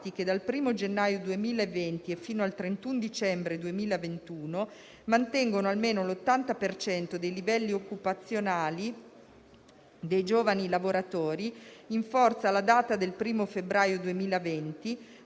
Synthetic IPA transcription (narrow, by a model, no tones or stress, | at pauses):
t̪iked̪alpɾiːmod͡ʒenːaːjod̪uemiːlaevːent̪iefːiːnoalt̪ɾent̪und̪it͡ʃɛmbɾed̪uemiːlaevent̪uːno | mant̪ɛŋɡonoalmeːnolot̪ːant̪apert͡ʃɛnt̪od̪ejlivɛlːiokːupat̪sːjonaːli | d̪ejd͡ʒoːvanilavoɾat̪oːɾiiɱfɔrt̪salad̪aːt̪ad̪elpɾiːmofebɾaːjod̪uemiːlavɛnt̪i